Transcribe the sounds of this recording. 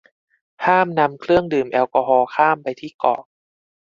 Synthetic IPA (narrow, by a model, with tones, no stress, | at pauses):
hʰaː˥˩mna˧mkʰlɯ˥˩əŋdɯː˨˩mʔɛː˧wkɔ˧ɦɔː˧kʰaː˥˩mpa˧jt̪ʰiː˥˩kɔ̰ː˨˩k̚